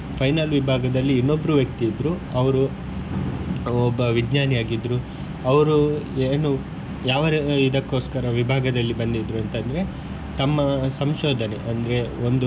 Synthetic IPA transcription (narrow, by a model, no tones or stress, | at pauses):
pʰɐjnaːlʋibʱaːɡɐd̪ɐlːiːnːo̞bːɐɾuʋjɐk̚t̪iːd̪ɾuɐʋɐɾu | ɔbːɐʋiɡɲaːnijaːɡid̪ɾu | ɐʋɐɾueːnu | jaːʋɐɾid̪ɐkːo̞ːskɐɾɐʋibʱaːɡɐd̪ɐlːibɐnd̪id̪ɾuɐnt̪ɐnd̪ɐɾe̞ | t̪ɐmːɐsɐmʃoːd̪ʱɐnḛʔɐnd̪ɐɾe̞ond̪u